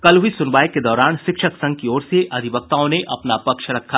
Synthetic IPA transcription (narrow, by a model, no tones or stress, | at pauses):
kɐlɦʊisʊnʋaːeked̪ɔːɾaːnʃɪkʃəksɐ̃ŋɡ̚kiɔːɾseʔɐd̪ʱɪbək̚t̪aːõneʔɐpnapɐkʃɾɐkʰːaː